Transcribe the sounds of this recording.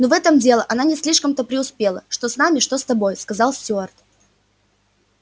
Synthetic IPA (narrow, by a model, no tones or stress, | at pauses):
novɛt̪əmdʲe̞lˠəʔɐnanʲɪsʲlʲiʂkəmt̪əpɾʲɪʊspʲelˠəʂt̪o̞snamʲɪʂt̪o̞st̪ɐbo̞jskɐzɑlˠsʲtʲoart̪